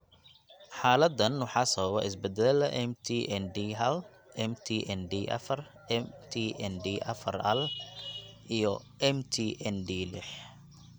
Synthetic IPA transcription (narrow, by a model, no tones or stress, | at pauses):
ħaːlɐd̪ɐnːʊħɑsɐwɐ̰ɪsbɛd̪ɛlɐʔɛmt̪ʰiʔɛnd̪iːɦɐl | ʔɛmt̪ʰiːʔɛnd̪iːʔɐ̰fɐr | ɛmt̪ʰiʔɛndiːʔɐ̰fɐ̰rɐl | ʔijɔ | ʔɛmt̪ʰiʔɛndiːlɪħ